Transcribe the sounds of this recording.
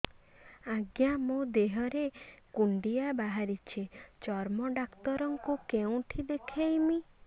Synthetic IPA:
aɡjamũd̪eɦɔɾekuɳɖiabaɦaɾit͡ʃʰit͡ʃɔɾmɔɖakt̪ɔɾɔŋkukeũʈʰid̪ekʰajmi

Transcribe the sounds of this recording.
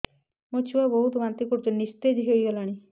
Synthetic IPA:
mot͡ʃʰuabɔɦut̪ɡant̪ikɔɾt̪enist̪ed͡ʒɦejɡɔlaɽ̃i

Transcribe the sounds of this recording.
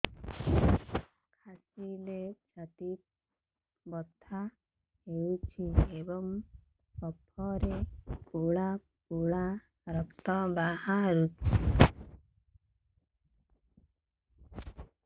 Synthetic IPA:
kʰat͡ʃilet͡ʃat̪it̪̚ | bɔt̪ʰːa | ɦewt͡ʃʰiebɔŋ | sɔpʰːɔɾekuɭa | kuɭa | ɾɔkt̪ɔbahaɾut͡ʃʰi

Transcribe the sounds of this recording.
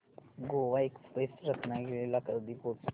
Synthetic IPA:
ɡoʋaekspesɾəknaɡelelakəd̪ipo

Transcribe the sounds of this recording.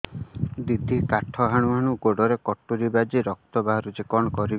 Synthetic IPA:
d̪id̪ʱikaʈʰɔɦaɽ̃uɦaɽ̃uɡoɖɔɾekɔʈːuɾibad͡ʒiɾɔk̚t̪ɔbaɦɔɾud͡ʒekɔɽ̃ɔkɔɾi

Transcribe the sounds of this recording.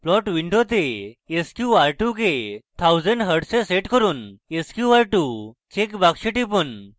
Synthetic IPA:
plɔʈʋiɳɖot̪̬eːskjuaɾʈuket̪ʰawd͡zəɳɖɦəɽseseʈkəɾuːneskjuʋaɾʈut͡ɕekbakɕeʈip̬un

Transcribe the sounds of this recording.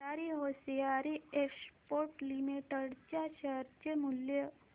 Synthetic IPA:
aːɾiɦosijaɾiekspoːɾʈlimeʈəɽt͡ʃaʃəɾt͡ʃəmʊljə

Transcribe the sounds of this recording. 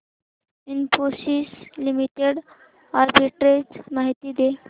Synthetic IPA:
inposislimiʈeɽ | aɾbiʈɾet͡smaɦit̪iːd̪e

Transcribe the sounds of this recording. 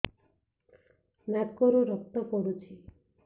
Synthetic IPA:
matkɔɾuɾɔk̚t̪ɔpɔɽut͡ʃʰi

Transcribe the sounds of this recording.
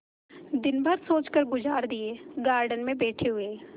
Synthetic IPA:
d̪ɪnbʱəɾsoːt͡ʃkəɾɡʊd͡ʒaːɾd̪ieɡaːɾɖənmẽbɛːʈʰeɦʊeː

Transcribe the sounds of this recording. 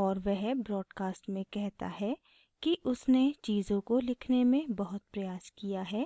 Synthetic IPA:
ɔːɾʋɛɦbɾɔːɖkaːsʈmẽkɛɦt̪a̰ɦɛ | kiʔʊsnet͡ʃiːzõkolɪkʰnemẽbɐɦʊt̪̚pɾɐjaːskijaɦɛː

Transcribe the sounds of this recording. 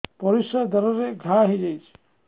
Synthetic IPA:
pɔɾisad̪ɔɾɔɾeɡʱaɦid͡ʒajt͡ʃʰi̥

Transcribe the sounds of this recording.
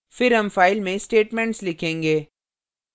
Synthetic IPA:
fɪɾɦɐmfaːɪlmẽsʈeːʈmɛ̃ɳʈslɪkʰẽːŋɡeː

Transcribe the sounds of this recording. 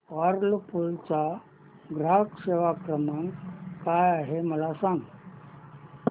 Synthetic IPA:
ʋaɾlpult͡sa | ɡɾakseʋakɾəmaŋkajaɦeməlasãŋɡ

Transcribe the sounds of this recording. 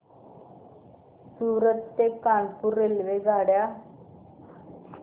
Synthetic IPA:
suːɾət̪ːekːaːɳpuɾelʋeɡaɽja

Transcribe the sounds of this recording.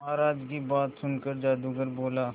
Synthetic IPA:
aːɾaːd͡ʒkibaːt̪sʊnkəɾd͡ʒaːd̪uɡəɾboːlaː

